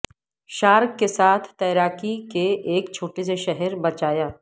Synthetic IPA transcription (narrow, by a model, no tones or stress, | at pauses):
ʃaːɾkːesaːt̪ʰt̪ɛːɾaːkikeeːkt͡ʃʰoːʈes̬eʃɛɦɛɾbɐt͡ʃaːjaː